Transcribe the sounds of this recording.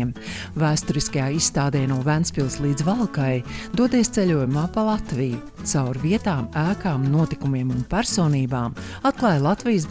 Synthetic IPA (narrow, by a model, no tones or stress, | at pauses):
m | væːst̪ɔɾiskajaːisːt̪aːd̪ɛːjnuɔvænspilˠslˠiːd̪zvalˠkajd̪uɔd̪eːst̪selʲuɔjumaːpalˠat̪viju | t̪sawɾviɛt̪aːmæːkaːmnuɔt̪ikumiɛmunpæɾsoːniːbaːmat̪̚klˠaːjlˠat̪vijs